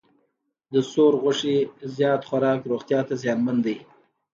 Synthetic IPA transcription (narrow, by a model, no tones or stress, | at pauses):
d̪əsoɾɣʊʂezjɑːt̪xaɾɑːkɾoɣt̪jɑt̪azjɑnmand̪əj